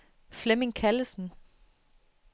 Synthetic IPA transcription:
flemɪŋkʰæləsn̩

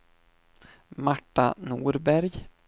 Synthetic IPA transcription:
maʈːa̰nuːɾbæɾj

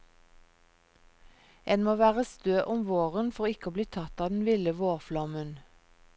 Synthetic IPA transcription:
eːnmoːʋæːʁəst̪øːʔʊmʋoːʁənfɔʁɪkəoːbliːt̪ʰɑt̪ɑːd̪n̩ʋɪləʋoːʁflɑmən

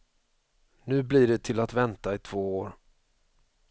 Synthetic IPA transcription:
nʉ̟ːblɪɖɛt̪ʰɪlat̪vɛnt̪aɪt̪ʰv̥oːoːɾ

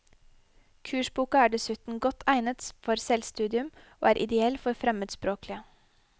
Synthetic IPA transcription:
kʰʉːʃbuːkɑæːɖɛsʉt̪n̩ɡɔt̪ʰæɪnət̪fɔɾsɛlst̪ʉːd̪ɪʉmo̰ːæːɾʔɪd̪ɛɛlfɔɾfɾɛməd̪spɾoːklɪə

